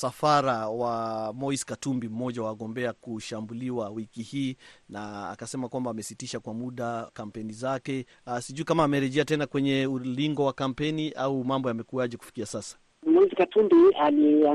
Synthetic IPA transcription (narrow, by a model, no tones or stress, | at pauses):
safaɾawamɔiskatumbim̩mɔʄawaaɠɔmbɛakuʃambuliwawikihiːna̰ːkasɛmakwambaːmɛsitiʃakwamuɗakam̩pɛnizakɛ | siʄuikamaːmɛɾɛʄɛatɛnakwɛɲɛuliŋɡɔwakam̩pɛniʔaumambɔjamɛkuaʄɛku̥fi̥kiasasḁ | mɔizikatumbialia